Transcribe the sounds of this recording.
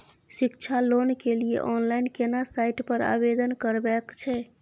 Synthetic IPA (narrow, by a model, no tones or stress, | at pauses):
sikt͡ʃʰalonkeliḛʔɔnlaɪnkenasaiʈpəɾa̰bed̪ənkəɾbɛkt͡ʃʰɛ